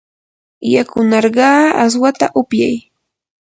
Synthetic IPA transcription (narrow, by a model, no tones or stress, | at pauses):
jakʊnɑɾɢɑːa̰s̬wat̪aʔʊpjaj